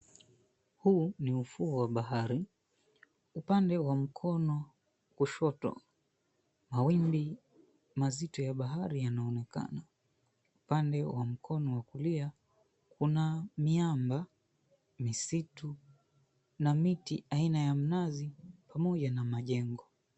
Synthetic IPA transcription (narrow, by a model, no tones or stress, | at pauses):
huːniufuuwaɓaɦaɾi | upandɛwam̩kʰɔnɔ | kuʃɔtɔ̰ | mawimbi | mazitɔjaɓaɦaɾijanaɔnɛka̰na | upandɛwam̩kʰɔnɔwakulia | kunamiamba | misitu | namitiainajam̩nazipʰamɔʄanamaʄɛŋɡɔ